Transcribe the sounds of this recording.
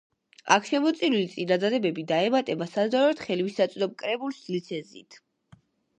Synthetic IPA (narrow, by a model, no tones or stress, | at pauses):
a̰kʰʃɛmɔt̪sʼiɾulit̪sʼinad̪ad̪ɛbɛbid̪aɛmat̪ʼɛbasazd̪aɾɛt̪χɛliwisat̪sʼd̪ɔm̚kʼɾɛbulˠslit̪sʰɛzḭt̪ʰ